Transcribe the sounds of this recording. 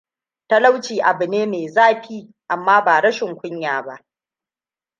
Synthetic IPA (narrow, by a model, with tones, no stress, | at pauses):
ta˦la˦wt͡ʃiː˨ʔa˨bɨ˨neː˦meː˨zaː˦ɸiː˦ | ʔa˨mːaː˦baː˨ɽɐ˦ʃɪ˨ŋkʷʊ˦ɲjaː˨ba˦ʔ